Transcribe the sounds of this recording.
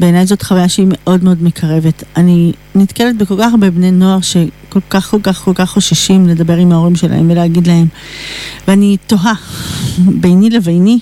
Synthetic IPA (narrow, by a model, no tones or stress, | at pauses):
beːnajzo̞tχavajaʃeime̞ʔo̞dmeo̞dme̞kʰaʁe̞vetani | nitkelet̚beko̞lkaχbebneno̞aʁʃe̞ko̞lkaχko̞lkaχko̞lkaχːoʃaʃimle̞dɐbe̞ʁimhao̞ʁimʃela̰hemveleaɡidlaɦe̞m | veanito̞ɦa | bejnilevejni